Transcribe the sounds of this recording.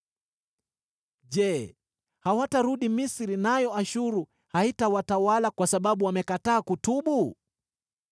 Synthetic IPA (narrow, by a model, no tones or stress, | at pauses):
ʄɛ | hawataɾuɗimisiɾinajɔaʃuɾu | haitawatawalakwasaɓaɓuwamɛkataːkutuɓu